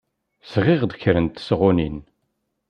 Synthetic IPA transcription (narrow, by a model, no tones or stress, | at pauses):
sʁɪʁd̪çɾənt̪sʁʊnin